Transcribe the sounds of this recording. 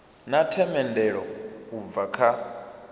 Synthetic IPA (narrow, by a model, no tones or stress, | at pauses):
natʰɛmɛndɛɺɔub̪vakʰa